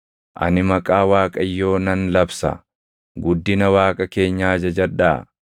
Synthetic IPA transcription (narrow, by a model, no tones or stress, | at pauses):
ʔɐ̰nɪmɐkʼaːwaːkʼɐjːo̞ːnɐnlɐbsɐ̰ | ɡʊd̪ːɪnɐwaːkʼɐke̞ːɲːaːd͡ʒɐd͡ʒɐᶑaː